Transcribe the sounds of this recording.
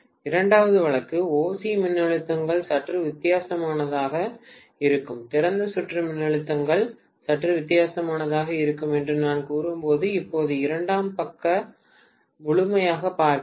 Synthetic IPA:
ɪɾɐɳɖaːʋɐðɯʋɐɭɐkːɯoːsimɪnːɐɭɯt̪ːɐŋɡɐɭsɐʈrɯʋɪt̪ːɪjaːsɐmaːnɐðaːɣɐ | ɪɾɯkːɯmt̪ɪɾɐnd̪ɐsʊʈrɯmɪnːɐɭɯt̪ːɐŋɡɐɭ | sɐʈːrɯʋɪt̪ːɪjaːsɐmaːnɐðaːɣɐɪɾɯkːɯmɛndrɯnaːnkuːɾɯmpoːðɯɪpːoːðɯɪɾɐɳɖaːmpɐkːɐ | mʊɭɯmɐjaːɣɐpaːɾk

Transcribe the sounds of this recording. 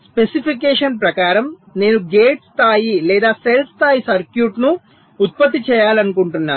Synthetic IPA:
spe̞sipʰik̬ɛːʂɐnpɾɐkaːɾɐm | ne̞ːnuɡeːʈst̪ʰaːjilɛːd̪aːselst̪ʰaːjisɐɾkjuːʈnu | ut̪̚pɐt̪̬ːit͡ʃɛːjaːlɐnukuɳʈunːaːu

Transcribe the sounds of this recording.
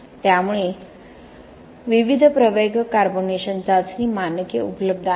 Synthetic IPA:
t̪jamuɭe | ʋiʋid̪ʱpɾəʋeɡʱkaɾboneɕənt͡sat͡sniːmanəkeṵpələb̚d̪ʱa

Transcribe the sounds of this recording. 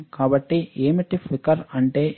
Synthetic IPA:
kaːbɐʈːiʔeːmiʈːifʰikɐɾɐɳʈeː

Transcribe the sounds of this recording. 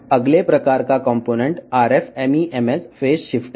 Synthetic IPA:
əɡlepɾəkaɾkakɔ̃mponeɳʈaɾefemiʔemesfesɕifʈ

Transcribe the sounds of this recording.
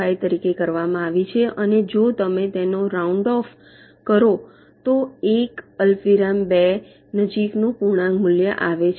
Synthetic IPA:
ajt̪əɾikekəɾʋamãaʋit͡ʃʰeʔəned͡ʒot̪əmẽt̪enoɾauɳɖɔf | kəɾo | t̪oekəlfiɾambe | nəd͡ʒiknũpuɽ̃ãŋɡmʊljəʔaʋet͡ʃʰ

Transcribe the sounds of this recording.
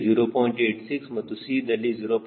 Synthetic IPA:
ziɾopɔ̃ːĩɳʈeːʈsiksmɐt̪usid̪ɐliziːɾop

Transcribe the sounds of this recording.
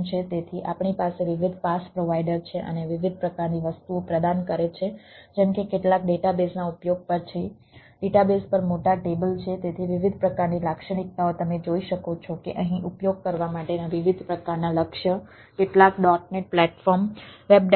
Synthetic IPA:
t͡ʃʰet̪et̪ʰiʔapɳipaseʋiʋid̪ʱpaspɾoʋaiɖəɾt͡ʃʰeʔə̰neʋiʋid̪̚ʱpɾəkaɾniʋəst̪uopɾəd̪ankəɾet͡ʃʰed͡ʒɛɳkekeʈlakɖeʈabesnaupjoɡ̚pəɾt͡ʃʰi | ɖeʈabespəɾmoʈaʈebəlt͡ʃʰet̪et̪ʰiʋiʋid̪ʱpɾəkaɾnilakʃəɽ̃ik̚t̪aot̪əmed͡ʒoiʃəkot͡ʃʰɔkḛʔəɦĩʔupjoɡ̚kəɾʋamaʈenaʋiʋid̪ʱpɾəkaɾnaləkʃə | keʈlakɖɔʈ̚neʈ̚plɛʈfɔɾmʋeb̚ɖ

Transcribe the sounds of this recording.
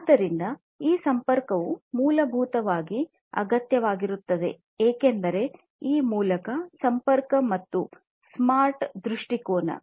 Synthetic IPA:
ad̪ɐɾind̪ɐ | iːsɐmpɐɾkɐʋumuːlɐbʱuːt̪ɐʋaːɡi | ɐ̰ɡɐt̪jɐʋaːɡiɾut̪ːɐd̪e̞̰ | eːkend̪ɐɾe̞ | iːmuːlɐkɐsɐmpɐɾkɐmɐt̪ːu | smaːɾʈd̪ɾuʂʈikoːnɐ̰

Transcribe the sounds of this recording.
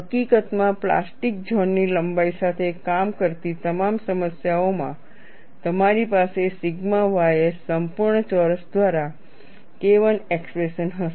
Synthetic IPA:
ɦəkikət̪mãpla̰sʈik̚d͡ʒʱɔnːiləmbaisat̪ʰekamkəɾt̪it̪əmamsəməsjaomã̰ | t̪əmaɾipasesɪɡmãʋajesəmpuɾɳət͡ʃɔɾəsd̪ʋaɾa | keʋənekspɾeʃənɦəʃ

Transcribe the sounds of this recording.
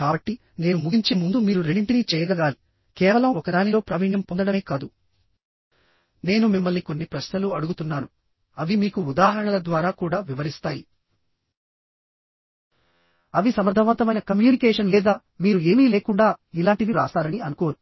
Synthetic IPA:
kaːbɐʈːi | ne̞ːnumuɡiɲt͡ʃemund̪umiːɾuɾeɳiɳʈinit͡ʃɛːjɐɡɐɡaːli | kɛːʋɐlɐmɔkɐɽaːnilo̞ːpɾɐʋiɳjɐmpond̪ɐɽɐmeːkaːd̪u | ne̞ːnumimːɐlːniko̞nːipɾɐʃnɐluɐɽuɡut̪unːaːnu | ɐʋimiːkuːd̪aːɦɐɾɐɳɐlɐd̪ʋaːɾaːkuːɽaːʋiʋɐɾist̪aːji | ɐʋisɐmɐɾd̪ʱɐʋɐnt̪ɐmɐjnɐkɐmjuːnikɛːʂɐnlɛːd̪aː | miːɾue̞ːmiːleːkuɳɖaːilaːɳʈid̪iɾa̰ːsaːɾɐniɐnuko̞ːɾu

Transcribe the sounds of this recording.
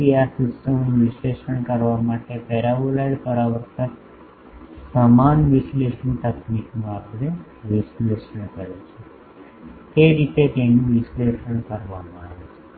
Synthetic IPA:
ijasutsəmnũʋisleʃəɳkəɾʋamaʈepɛɾabolajɖpəɾaʋəɾt̪ak | səmanʋisleʂənɳʈəkniknũapɽ̃e | ʋisleʃəɳ̃kəɾet͡ʃʰe | t̪eɾit̪et̪enũʋisleʃəɳkəɾʋamãaʋet͡ʃʰe̥

